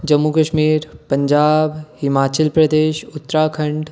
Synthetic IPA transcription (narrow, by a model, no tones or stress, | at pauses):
d͡ʒɐmːukɐʃmiːɾpɐɲd͡ʒaːbhɪmaːt͡ʃəlpɾɐd̪eːʃʊt̪ːɾaːkʰɐ̃ɳɖ